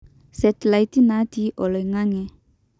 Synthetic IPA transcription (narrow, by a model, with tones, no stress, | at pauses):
sɛ˨t̪la˨jt̪i˦na˦ti˦ʔɔ˨lɔ˨jŋa˦ŋɛ˨